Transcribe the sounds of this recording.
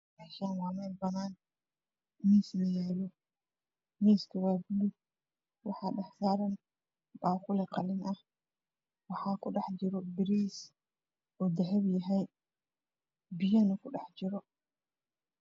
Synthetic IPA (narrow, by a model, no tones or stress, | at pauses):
maːʃaːnwaːmɛlbɐnaːn | miːsnɐjɛːlɔ | miːskʰɐwaːblɪ | wɑħɑːɗɑħsaːɾɐn | baːqʊlɛqɑlɪnʔɐh | wɑħɑːkʰʊɗɑħd͡ʒɪɾɔbɪɾiːs | ʔɔːd̪ɐɦɛbjɐɦɛj | bɪjɐnɐkʰʊɗɑħd͡ʒɪɾɔ